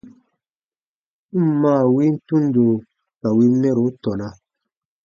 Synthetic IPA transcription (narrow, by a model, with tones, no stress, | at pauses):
maː˦˨wi˦n̩˦tu˦n˦do˨ | ka˨wi˦nɛ˦ɾo˨˦tɔ˨na˨